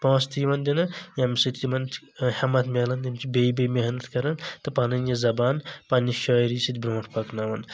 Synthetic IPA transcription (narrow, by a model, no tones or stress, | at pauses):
pãːst̪iʋɐnd̪ʲinɨjɐmisɨt̪ʰʲimɐnt̪ | hɐmɐt̪ʰmʲeːlɐnd̪ɐmt͡ʃibejbejmʲeɦnɐt̪kɐɾɐnt̪ɨpanɐnjɐzɐbaːnpɐniʃɔːjɾisit̪ʲbɾõːʈʰpɐknaʋɐn